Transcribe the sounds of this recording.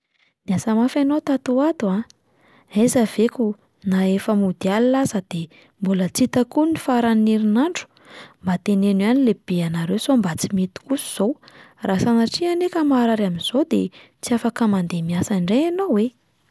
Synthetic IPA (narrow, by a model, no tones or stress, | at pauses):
niasamafanot̪at̪uat̪ua | ezav̥ekʲu | naefəmud̪ialilazəd̪̥e | mbulət͡sit̪akunifaɾaniɾinaɳɖ͡ʐu̥ | mbat̪enenianileb̥eanaɾewsombat͡simet̪i̥kusu̥z̥owrʔasanaʈ͡ʂianekəmaɾaɾaminz̥od̪et͡siafakəmand̪emiasaɳɖ͡ʐeanowwe